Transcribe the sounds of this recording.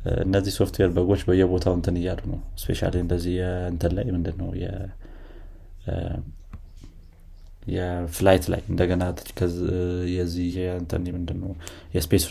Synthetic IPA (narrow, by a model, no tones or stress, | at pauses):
ɨ̰nːəzːihso̞ft̪ʰweɾbəɡo̞t͡ʃːbəjːɛbo̞t̪ʰawɨnt̪ʰɨnɨjːalunəwspʰe̞̰ʃa̰liɨnd̪əzːihjɛɨnt̪ʰələjmɨnd̪ɨnːəwjɛ̰ | jɛflajt̪la̰jɨnd̪əɡənat͡ʃːkʰəjɛzːihɨnt̪ʰə̰nmɨnd̪ɨnːəw | jɛspes